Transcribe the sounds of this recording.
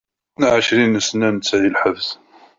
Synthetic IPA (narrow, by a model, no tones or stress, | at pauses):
naʕəʃɾinəsənænt͡sːæðilħəvθ